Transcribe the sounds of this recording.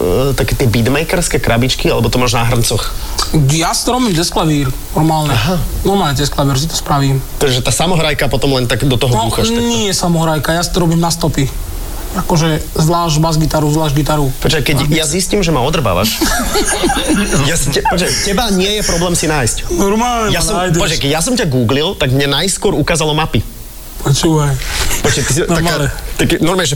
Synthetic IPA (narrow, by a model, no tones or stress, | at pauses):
t̪akɛt̪ɪɛbid̪mɛjkɛɾskɛkɾabit͡ʃkialɛbɔt̪ɔmaːʒnaɦr̩nt͡sɔx | jasi̥t̪ɔɾɔbiːmɟɛsklaʋiːɾnɔɾmaːlɲɛɦanɔmad͡ʑɛsklaʋiːɾs̬it̪ɔ̥spɾaʋiːmt̪ɛʒɛt̪aːsamɔɦɾajkapɔt̪ɔmlɛnt̪aɡd̪ɔt̪ɔɦɔdɔuxaɲɪɛjɛsamɔɦɾajkajasi̥t̪ɔɾɔbiːmnast̪ɔpi | akɔʒɛzlaːʒbazɡit̪aɾuzʋlaːʒɟɡit̪aɾupɔt͡ʃajkɛɟjazisciːmʒɛmaɔd̪r̩ba̰ʋa̰ʃ | jasicɛpɔt͡ʃɛcɛbaɲɪɛjɛpɾɔblɛːmsinaːjscnɔɾmaːlɲɛjasɔmːjpɛɔt͡ʃɛkɛɟjasɔmcaɡuːɡlilt̪aɡmɲɛnajskʊɔɾukaːzalɔmapi | pɔt͡ʃuːʋajpɔt͡ʃɛkɛsiɔamaalɲɛt̪akːɛnɔɾmaɲɛʒɛ